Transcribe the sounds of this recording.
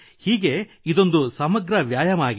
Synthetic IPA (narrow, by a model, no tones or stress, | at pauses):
hiːɡe̞ | id̪o̞nd̪usɐmɐɡɾɐʋjaːjɐmaːɡi